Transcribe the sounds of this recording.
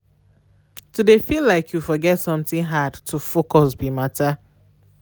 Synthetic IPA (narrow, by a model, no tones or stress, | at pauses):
tudefilaɪkʰjufɔɡɛtsɔ̃mtĩnɦadtʰufokɔsbimata